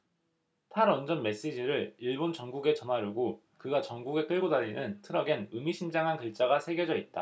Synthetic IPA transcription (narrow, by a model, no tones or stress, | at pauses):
tʰaɾʌnd͡ʑʌnme̞s͈ed͡ʑiɾɯɭiɭbont͡ɕʌŋɡuɡe̞t͡ɕʌnɦaɾjuɡo | kɯɡat͡ɕʌŋɡuɡe̞k͈ɯɭɡodaʎːinɯntʰɯɾʌɡenɯmiɕʰimd͡ʑaŋɦankɯɭt͡ɕ͈aɡasʰe̞ɡjod͡ʑʌit̚t͈a̰